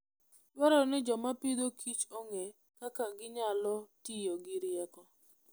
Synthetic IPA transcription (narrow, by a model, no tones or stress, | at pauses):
dwɔɾɔnɪd͡ʒɔmapid̪okʰit͡ʃoŋe | kakaɡɪɲalɔtijoɡɪɾɪjɛkɔ